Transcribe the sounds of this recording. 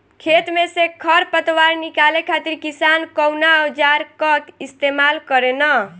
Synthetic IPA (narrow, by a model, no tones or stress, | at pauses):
kʰet̪mesekʰəɾpət̪waɾnikalekʰat̪iɾkisankɔwnaod͡ʒaɾkət̪ist̪emalkəɾenə